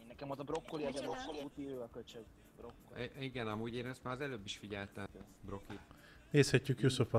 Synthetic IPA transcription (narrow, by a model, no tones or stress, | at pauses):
nːɛkɛmot̪ɒbɾo̞kːoliɛzɛbɾokːoliut̪iɾøːɛkølt͡ʃɛz | bɾokːiɡɛnɒmuːɟeːnɛst̪maːɾɒzɛløːbːiʃfiɟɛlt̪ɛ | bro̞ki | neːshɛcːykjusofɒ